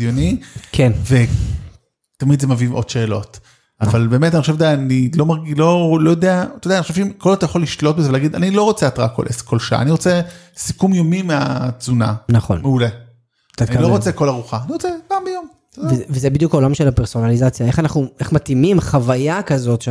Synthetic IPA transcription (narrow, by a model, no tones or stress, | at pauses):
jonikʰenve̞ | t̪amid̪zemaviimʔo̞d̥ʃe̞ːlo̞̰t | avalbe̞ːmetaniχoʃed̪enilo̞maʁɡilo̞lo̞jod̪eat̪ojdaniχoeʃeimkolzot̪ajaχoliʃlo̞t̚bezeelaɡid̪anilo̞ʁo̞t͡seat̪ʁako̰lʔesko̞lʃaa̰ːniʁo̞t͡sesikumjomimeat͡suna̰nɐχo̞̰nmeule | t̪at̪nkailoot͡seko̞laʁuχaːniʁo̞t͡sepaːmbejom | vvezebid̪jukaolamʃelapeʁso̞nalizat͡sjae̞χanaχnue̞χmat̪imimχavajakɐzo̞tʃ